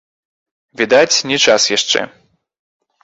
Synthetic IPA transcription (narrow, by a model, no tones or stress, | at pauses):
vʲid̪at͡sʲnʲɛt͡ʂasjaʂt͡ʂɛ̰